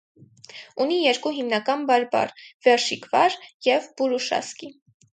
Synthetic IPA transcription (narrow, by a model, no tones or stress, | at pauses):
unijɛɾkuɦimnɑkɑnbɑɾbɑ̰rvɛɾʃikvɑɾjɛvbuɾuʃɑ̰ski